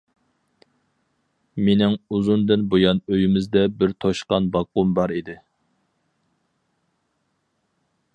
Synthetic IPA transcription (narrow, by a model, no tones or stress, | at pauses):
menɪŋuzund̪ɪnbojɑnøjymɪzd̪ɛbɪɾt̪ʰoʃqɑnbɑqːʊmbɑɾid̪ɪ